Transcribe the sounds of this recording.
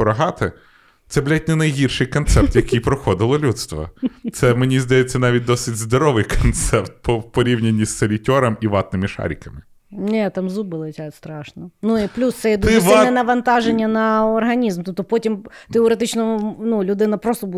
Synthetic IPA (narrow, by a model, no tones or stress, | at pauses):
ɾɐɦɑt̪ɪ | t̪sɛblʲɛt̚ʲnʲɛnɐjɦʲirʃɪjkɔnt̪sɛp̚t̪jɐkɪjpɾɔxɔd̪ɪlˠɔlʲut̪st̪ʋɐ̰t̪sɛmenʲizd̪ɐjet͡sʲːɐnɑʋʲit̚ʲd̪ɔsɪtʲzd̪ɔɾɔʋɪjkʰɔnt̪sɛpt̪̚pɔwpɔɾʲiwnʲenʲːisːɐlʲitʲɔɾɐmiʋɑt̪nɪmɪʃɑ̰ɾʲikɐmɪ | nʲɛt̪ɑmzubɪlˠɪtʲat̪st̪ɾɑʃnɔnuiplʲust̪sɛjɛd̪ɪsʋ̪ɛnɐʋɐnt̪ɑʒenʲːɐnɐɔrɦɐnʲizmt̪up̚t̪ɔpɔtʲimt̪eɔɾet̪̬ɪt͡ʃnɔnulʲʊd̪ɪnɐpɾɔst̪ɔbu